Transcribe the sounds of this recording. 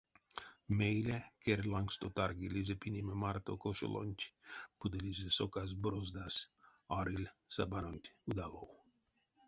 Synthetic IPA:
mejlʲɛkeɾʲlˠaŋkst̪ot̪aɾɡilʲizʲepinʲimɛmaɾt̪okoʃo̰lˠʔo̰nʲt̪ʲb̥ud̪elʲizʲesokazbɾozd̪asʲɑɾilʲsa̰baɾonʲt̪ʲud̪avow

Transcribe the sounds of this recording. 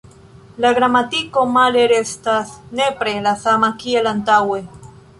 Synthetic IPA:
laɣɾamat̪ikomaleɾest̪aθnepɾelaθamakielant̪awe

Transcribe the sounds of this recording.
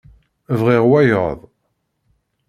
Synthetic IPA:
vʁiʁwæjəðˤ

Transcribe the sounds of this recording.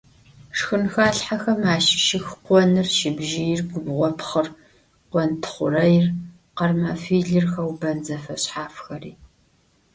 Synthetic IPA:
ʂxɨnxaːɬħaxɐmaːʃɪʃɪxqʷɔnɨrʃɪbʒɪjɪrɡʷʊbʁʷɔpχər | qʷɔntʰɨ̥χʷʊrɐjɪr | qɐrmɐfiːɮɨrxɐwbɐnzɐfɐɕħaːfxɐriː

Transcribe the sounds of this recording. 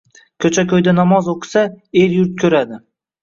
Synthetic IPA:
kʲʰɵt͡ʃʰakʲʰɵjd̪anɒmɒzoqʰsaeɾjʊɾt̪kʰʲɵɾad̪ɪ

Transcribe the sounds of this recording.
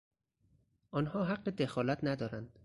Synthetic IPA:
ʔɒnhɒːɦæɢːed̪exɒːlæt̪ʰnæd̪ɒːɾænd̪̥

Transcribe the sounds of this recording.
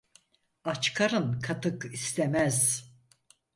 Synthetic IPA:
at͡ʃkʰaɾɯnkʰat̪ʰɯkist̪ʰɛmæz

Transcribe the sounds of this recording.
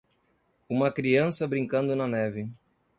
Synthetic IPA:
ũmɐkɾiɐ̃sɐbɾĩŋkɐ̃nd̪ʊnɐnɛvɪ

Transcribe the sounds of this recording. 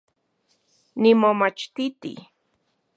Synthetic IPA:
nimomat͡ʃt̪it̪ḭ

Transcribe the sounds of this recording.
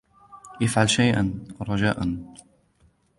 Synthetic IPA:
ʔafʕalʃajʔanɾˤɑd͡ʒaːʔan

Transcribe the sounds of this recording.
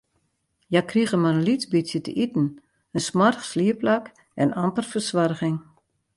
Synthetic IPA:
jakriɣəmarənlit͡sbisjətə̰ʔitn̩ | ənsmarxsliəplak | ɛnampərfərsʋarɣɪŋ

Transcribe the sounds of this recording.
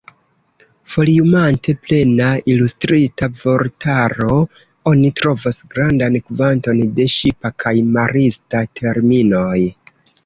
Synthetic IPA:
fo̞liumantʰe̞ple̞nailustɾitavo̞ɾtaɾo̞ | o̞nitɾo̞vasɡɾandankvanto̞nde̞ʃipakʰajmaɾistatʰe̞ɾmino̞j

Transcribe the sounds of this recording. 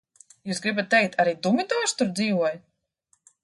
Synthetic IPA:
juːsɡɾibat̪̚ːɛjk̚t̪ʰaɾiːt̪umʲid̪aːʃt̪uɾd̪ziːvuɔj

